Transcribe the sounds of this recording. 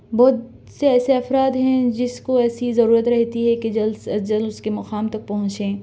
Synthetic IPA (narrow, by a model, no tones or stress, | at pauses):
bɔːt̪ | seɛːseɐfɾaːd̪ɦɛ̃d͡ʒɪskoɛːsizɐɾuːɾət̪ɾɛɦt̪iɦɛked͡ʒɐlsd͡ʒɐlʊskemɐqaːmt̪ɐk̚pɐɦʊ̃t͡ʃẽː